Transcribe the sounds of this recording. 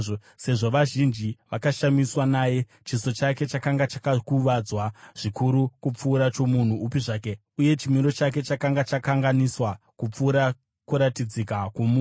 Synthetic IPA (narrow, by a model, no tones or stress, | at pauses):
o | se̞ʐo̞ʋaʒind͡ʒiʋakaʃamiswanaːje̞ | t͡ʃiso̞t͡ʃake̞t͡ʃakaŋɡat͡ʃakakuʋad͡zwaʐ̥ikuɾukup͡fuːɾat͡ʃo̞mun̤uːpiʐaːke̞ | uje̞t͡ʃimiɾo̞t͡ʃake̞t͡ʃakaŋɡat͡ʃakaŋɡaniswa | kup͡fuːɾa | kuɾatid͡zikakumuːn